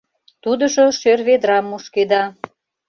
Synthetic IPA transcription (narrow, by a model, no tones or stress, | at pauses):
t̪ud̪əʒo̽ʃørβed̪ɾɑmːuʃked̪ɑ